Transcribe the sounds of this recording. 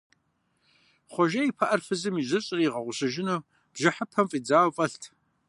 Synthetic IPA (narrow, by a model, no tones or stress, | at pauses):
χʷɔʒɐipʰɐʔɐrfɨzɨmizʷɨɕʼɪriʁɐʁʷʊɕɨʒɪnuw | b̥ʒɪħəpʰɐmfʼiːd͡zaːwfʼɐɬtʰ